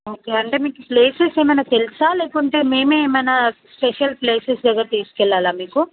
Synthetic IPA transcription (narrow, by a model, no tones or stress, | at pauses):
oːkeːɐɳʈe̞ːmiːkupleːsese̞ːmɐjnaːt̪elisaːleːkuɳʈe̞ːme̞ːmeːmɐjnaspeʃɐlpleːsesd̪ɛɡːɐɾt̪iːskɛɭːaːlaːmiːku